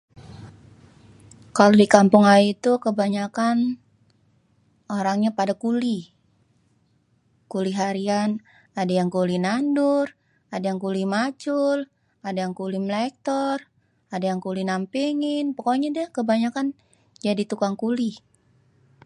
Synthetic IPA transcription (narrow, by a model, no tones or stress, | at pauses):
kalodikampʊŋaiit̪ukəbaɲakan | oɾaŋɲapadakuli | kuliɦaɾian | adajaŋkulinandur | adajaŋkulimat͡ʃʊl | adajaŋkulimlɛk̚t̪ɔr | adajaŋkulinampiŋɪnpɔkɔɲadɛhkəbaɲakan | d͡ʒadit̪ukaŋkuli